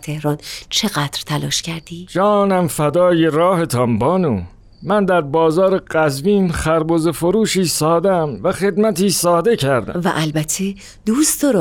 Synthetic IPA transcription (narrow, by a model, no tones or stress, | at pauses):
t̪ʰe̞hɾɒːnt͡ʃʰeɣæd̪̥ɾt̪ʰælɒ̰ːʃcʰæɾd̪̥iːd͡ʒɒːnæmfæd̪ɒːjeɾɒːhe̞t̪ʰɒmbɒːnuː | mænd̪æɾbɒːzɒːɾe̞ɢæzviːnxæɾbozefoɾuːʃiːsɒːd̪emvæxe̞d̪mæt̪ʰiːsɒːd̪e̞cʰæɾd̪æ̰væ̰ʔælbæt̪ʰːe | d̪uːsd̪ɒɾ